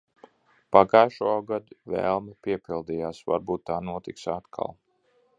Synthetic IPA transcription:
paɡajʃuɔɡad̪uvɛ̰ːlˠmipiɛpilˠd̪iːjaːsva̰ɾbuːt̪ːaːnuɔt̪iksat̪kʰa̰lˠ

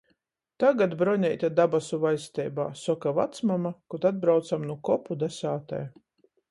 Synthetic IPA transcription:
t̪aɡad̪bɾɔɲʲɛjt̪ad̪abasuvajst̪ɛjba̰ːsɔkava̰t̪smamakɔt̪ad̪̚bɾawt̪samnukɔpud̪asaːt̪a̰j

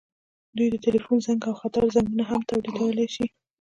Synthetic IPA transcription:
d̪ujd̪ət̪ɪlifunzaŋɡawxat̪aɾzanɡunaɦamt̪awɾid̪awəlajʃi

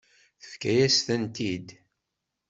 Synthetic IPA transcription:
θə̥fkæjæst̪ænt̪id̪

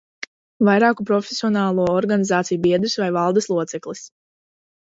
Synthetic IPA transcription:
vajɾaːkupɾɔfesiɔnaːlˠuɔɔɾɡanizaːt̪sijubiɛd̪usvajvalˠd̪aslˠuɔt̪sɛklˠis

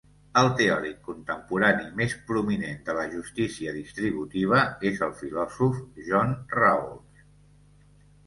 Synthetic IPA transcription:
əlˠt̪eɔɾikːunt̪əmpuɾanimespɾuminend̪ələʒust̪isiəðist̪ɾiβ̞ut̪iβ̞əezəlˠfilɔzufʒɔnraulˠs

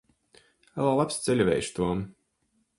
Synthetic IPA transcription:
alˠaːlˠapst̪sɛlʲvʲɛ̰jʃt̪uɔm

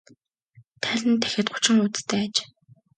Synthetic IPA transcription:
t̪ʰæɮʲɘ̆nt̪ʰæ̥xʲɪ̆t̪̚χʊ̥t͡ɕɪ̆ŋʊt͡st̪ʰæːat͡ɕ

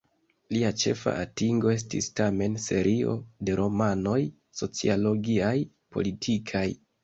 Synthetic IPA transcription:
liat͡ʃe̞̰fa̰ʔatiŋɡo̞e̞s̬tḭstame̞nse̞ɾʔio̞̰de̞ɾo̞mano̞j | so̞t͡sḭalo̞ɡiaj | po̞̰litʰikʰaj

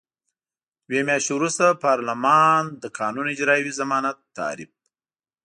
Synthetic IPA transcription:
wemjɑʃewɾust̪apɑɾlamɑnd̪əkʰɑːnunɪd͡ʒɾɑːjwizamɑːnat̪ːɑ̰ːɾɪ̰p̚

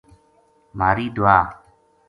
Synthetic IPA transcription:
maːɾiːd̪ʊaː

